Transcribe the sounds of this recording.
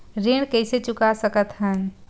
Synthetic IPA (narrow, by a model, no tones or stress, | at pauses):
ɾeːɽ̃kɛɪset͡ʃʊkasəkət̪ɦən